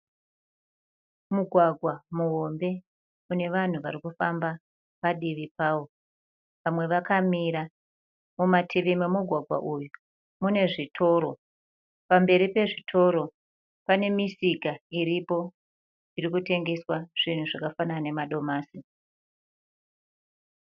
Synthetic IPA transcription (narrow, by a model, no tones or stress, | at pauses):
muɡʱwaɡʱwamuɦo̞mbe̞ | une̞ʋan̤uʋaɾikufamba | paɗiʋipaːwo̞ | ʋamwe̞ʋakamiɾa | mumatʰiʋime̞muɡʱwaɡʱwa̰ʔuju | mune̞ʐitʰo̞ːɾo̞ | pambe̞ɾipe̞ʐitʰo̞ɾo̞ | pane̞misikaiɾipo̞ | iɾikute̞ŋɡe̞swaʐ̥in̤uʐakafanane̞maɗo̞maːsi